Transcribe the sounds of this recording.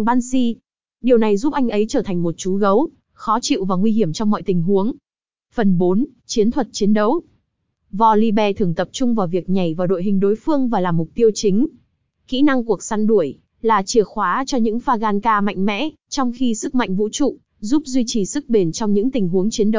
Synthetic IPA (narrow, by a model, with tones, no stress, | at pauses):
ŋɓaː˧nsi˧ | ɗi˨˩əwna˨˩jzu˦˥p̚ʔa˧jŋ̟ʔə˨˦jt͡ɕəː˧˩t̪ʰa˨˩ŋ̟mo˨˩t̚t͡ɕu˨˦ɣə˨˦w | xɔ˨˦t͡ɕḭ˧˨wvaː˨˩ŋwi˧ɦi˧˩əmt͡ɕɔ˧ŋ͡mmɔ̰˧˨jt̪ï˨˩ŋ̟ɦu˨˦əŋ | fə˨˩nɓo˨˦nt͡ɕi˨˦ənt̪ʰwə˨˩t̚t͡ɕi˨˦ənɗə˨˦w | vɔ˧˩li˧ɓɛ˧˩t̪ʰɨ˧˩əŋt̪ə˨˩p̚t͡ɕʊ˧ŋ͡mvaː˨˩wvi˨˩ək̚ɲa˨˩jvaː˨˩ɗo̰˧˨jɦï˨˩ŋ̟ɗo˨˦jfɨ˧əŋvaː˨˩laː˨˩mːʊ˨˩k͡p̚t̪i˧əwt͡ɕï˨˦ŋ̟ | xḭ˧˥na˧ŋku˨˩ək̚sa˧nɗu˧˩əj | laː˨˩t͡ɕi˧˩əxwaː˨˦t͡ɕɔ˧ɲɨ̰˧˥ŋfaː˧ɣaː˧nkaː˧ma̰˧˨jŋ̟mɛ̰˧˥ | t͡ɕɔ˧wŋ͡mxi˧sɨ˦˥k̚ma̰˧˨jŋ̟vṵ˧˥t͡ɕṵ˧˨ | zu˦˥p̚zwi˧t͡ɕi˨˩sɨ˦˥k̚ɓe˨˩nt͡ɕɔ˧wŋ͡mɲɨ̰˧˥ŋt̪ï˨˩ŋ̟ɦu˨˦əŋt͡ɕi˨˦ənɗə˨˦w